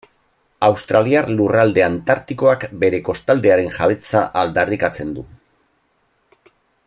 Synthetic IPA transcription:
awst̪ɾaliarlurald̪e̞ant̪aɾt̪iko̞akbe̞ɾe̞ko̞st̪ald̪e̞aɾe̞nʝaβ̞e̞t͡saʔald̪arikat͡se̞nd̪u

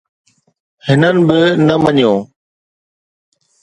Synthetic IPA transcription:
hɪnənɪ̆bɪnəməɲjõː

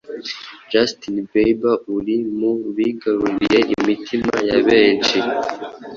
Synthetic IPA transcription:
d͡ʒastinbejbauɾimuβiɡaɾuɾije̞ʔimitʰima̰jaβeːnt͡ʃi

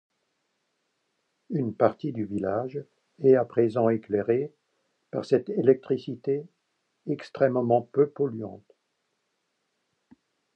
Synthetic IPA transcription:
ynpaʁt̪id̪yvilaʒ | ɛapχezɑ̃eklɛʁe | pa̰ʁsɛt̪elɛk̚t̪χisit̪e | ɛkst̪χɛmmɑ̃pøpɔlyɑ̃t̪

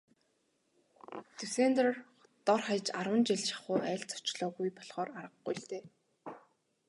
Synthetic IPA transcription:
t̪ʰɵseːnt̪r | t̪ɔrχajt͡ɕarwə̆nt͡ɕiɮt͡ɕɪ̥̆χʊːæːɮt͡sɔ̥t͡ɕɮɔːɣujpɔɮχɔːraɾə̆qɡujɬt̪eː

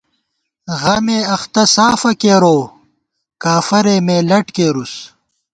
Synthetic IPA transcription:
ɣɐmeːɐxt̪ɐsaːfɐkeːɾoː | kaːfɐɾeːmeːlɐʈkeːɾus

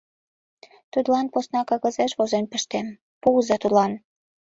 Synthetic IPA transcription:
t̪ud̪lɑnposnɑkɑɣɤ̆zeʃβozenpə̆ʃt̪em | puzɑt̪ud̪lɑn

